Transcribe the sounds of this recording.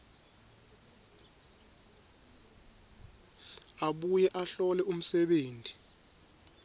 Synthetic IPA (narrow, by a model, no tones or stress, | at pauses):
aɓujɛʔaɬɔlɛum̩sɛɓeːntʼi̥